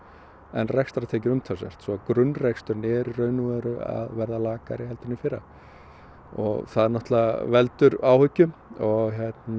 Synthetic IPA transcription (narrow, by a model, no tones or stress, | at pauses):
ɛnrɛkst̪aɾat̪ʰeːjcɪɾʏmt̪ʰasɛ̰r̥t̪sɔkɾʏnːrekst̪ʏɾnɛːɾirœːɥnuɛɾʏa̰ðvɛɾðalaːkaɾihɛlt̪ʏnːɪfɪɾa̰ | ɔɣθaðɛɾnɔht̪lavɛlt̪ʏɾaːwhʏcːʏɔɣçɛt̪n